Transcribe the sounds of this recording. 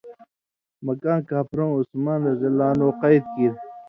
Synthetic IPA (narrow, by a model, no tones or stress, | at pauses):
mɐkãːnkaːpɾõːusmaːnɾɐzɐlaːnoːqʌid̪̚kiɾ